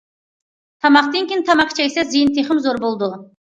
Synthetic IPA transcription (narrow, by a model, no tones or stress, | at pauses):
t̪ʰɑmɑq̚t̪eŋkʲent̪ʰɑmɑqt͡ʃʰajsazɨjɪnt̪ʰeχɪmzoɾbolˠd̪ə